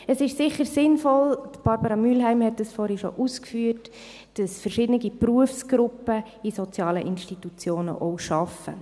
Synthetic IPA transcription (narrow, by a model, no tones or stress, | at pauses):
əsɪʃsɪχəɾsɪnfɔltb̥ɑɾbəɾɑmylɦæɪmhɛtdəsfɔɾhɛʃo̰ʔuskfyːət | d̥ɑsfəɾʃɪdənɪɡipruəfsɡ̥ɾʊpːə | isɔt͡sjɑːləʔɪnʃtitut͡sjoːnə̰ʔɔʊʃɑfə̰